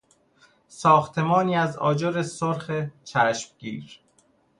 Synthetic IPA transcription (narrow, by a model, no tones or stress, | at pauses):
sɒːxt̪ʰe̞mɒːniːæzɒ̰ːd͡ʒoɾesoɾxet͡ʃʰæʃmɡḭːɾ